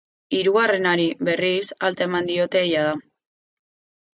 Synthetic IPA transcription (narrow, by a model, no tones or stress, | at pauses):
iɾuɣare̞naɾiβe̞risalt̪aemand̪io̞t̪e̞ːjaða